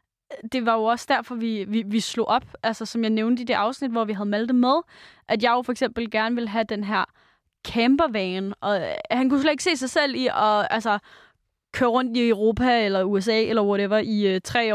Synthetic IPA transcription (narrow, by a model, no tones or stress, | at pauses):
d̥e̝ʋɑ̈jo̝ɒ̽sd̥æɐfɒ̽ʋiʋiʋislo̝ʔɒ̽b̥ʔælsɐsɒ̽mjɑ̈ɪneʊnd̥əid̥e̝ʔɑ̈ʊsnid̥ʋɒʋiɦæð̞̩ˠmæld̥emeð̞ˠʔæd̥jɑ̈ɪjo̝fɒ̽eɡ̥sem̰b̥l̩ɡ̥æɐnʋe̝lɦæd̥enɦæɐ̰ | kʰemb̥ɐʋɛːnʔɒ̽hænkus̬lɛ̥eɡ̥se̝̰ːs̬ɑ̈ɪsel̰iʔɒ̽ælsɐ | kʰøːɐʁɔ̽n̰d̥iøʊʁo̝ːpʰæelɐues̬ɛ̰ːelɐʋɒɾeʋɐʔit͡sʰʁɛ̰ː